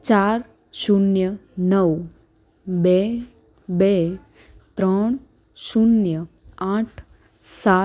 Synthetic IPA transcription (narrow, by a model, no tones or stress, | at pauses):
t͡ʃaɾ | ʃunjənəʋ | be | be | t̪ɾəɳ̃ | ʃunjə | aʈʰ | sa